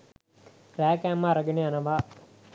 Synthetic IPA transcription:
ræːkæːmːaːɾɐɡeneanɐʋaː

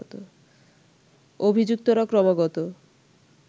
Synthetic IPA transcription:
t̪o | obʱid͡ʑuk̚t̪oɾakɾɔmaɡɔt̪o

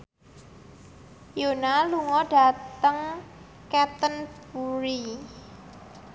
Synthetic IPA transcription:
jonaluŋɔɖa̤t̪əŋ | kɛt̪ənbuɾi

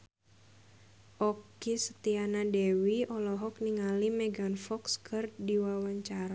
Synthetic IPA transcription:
ʔɔkisət̪ianadɛwiɔlɔɦɔk̚niŋalimɛɡanfɔkskʰɨrdiwawaɲt͡ʃaɾa

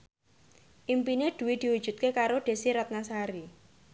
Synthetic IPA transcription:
ʔimpineɖ̪̥ṳwid̪̥i̤wud̥ʒ̥ṳt̪̚kekaɾoɖ̪̥e̤siɾɔt̪̚nasaɾi

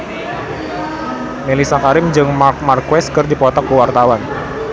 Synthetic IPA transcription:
melisakaɾɪmd͡ʒɨŋmamarkwɛskərdipɔt̪ɔkːəwart̪awan

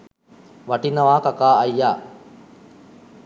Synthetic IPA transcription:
ʋɐʈinɐʋaːkakaːɐjːaː

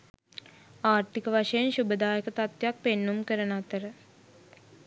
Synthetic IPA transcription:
aːɾt̪ikəʋaʂəjenɕubəd̪aːjəkət̪at̪jak̚penːumkəɾənat̪əɾə

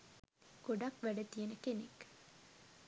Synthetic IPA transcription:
ɡ̥oɖɐkʋæɖət̪ijenəkenek

